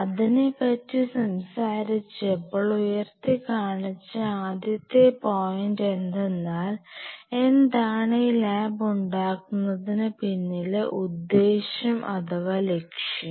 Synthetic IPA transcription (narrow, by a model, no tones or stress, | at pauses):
ɐðinepːɐtːisɐmsaːɾit͡ɕːepːoɭujɐrt̪ikaːɳit͡ɕːɨaːd̪jɐt̪ːepoːjinde̞nd̪e̞nːaːle̞nd̪aːɳɐjilaːbuɳɖaːkːunːɐðinɨpinːileʔud̪ːe̞ːɕɐmʔɐt̪ɐʋɐle̞kʂjɐ